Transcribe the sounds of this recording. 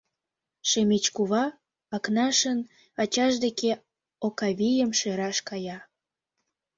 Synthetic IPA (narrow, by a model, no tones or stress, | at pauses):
ʃemet͡ɕkuβɑ | ɑknɑʃən | ɑt͡ɕɑʃd̪eke | okɑβijəmʃeɾɑʃkɑjɑ